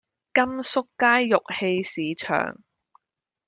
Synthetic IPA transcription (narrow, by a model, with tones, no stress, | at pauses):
kɐ˥msʊ˥kːaː˥jːʊ˨k̚he˧jsiː˨˦t͡ʃʰœ̰ː˨˩ŋ